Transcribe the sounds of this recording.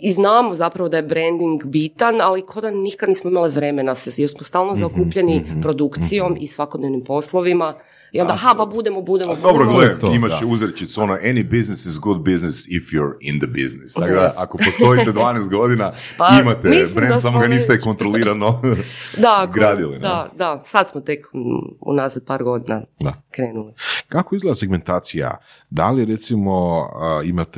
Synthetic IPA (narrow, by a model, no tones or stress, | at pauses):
iznaːmo̞zapɾaʋo̞d̪ajebɾend̪iŋɡbit̪analikʰod̪anikad̪niːsmoimaliʋɾe̞menasejeɾsmost̪aːlˠnozaokuːpʎenipɾo̞d̪ukt̪sijo̞misʋakod̪ne̞ʋnimpo̞slˠoʋima | iond̪aɦapabud̪emobud̪emod̪obɾoɡleemimaʃuzɾt͡ʃit̪sonoʔenibiznɪsizɡud̪̚biznɪsifjuɾind̪əbḭznɪst̪akod̪aakoost̪o̞it̪ed̪ʋaːnest̪̚ɡo̞d̪ina | aimat̪eibɾend̪samoɡanist̪eko̞nt̪ɾoliːɾanod̪akɡɾad̪ilḭnad̪asad̪smot̪ekṵnazad̪̚paːɾɡo̞d̪inad̪akɾeːnulikakoizɡled̪aseɡ̚me̞nt̪aːt̪sija̰d̪a̰liɾet̪simo̞əimat̪e